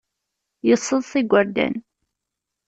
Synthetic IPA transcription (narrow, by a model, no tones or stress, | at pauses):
jəsˤːəðˤθiɡʷəɾd̪æ̰n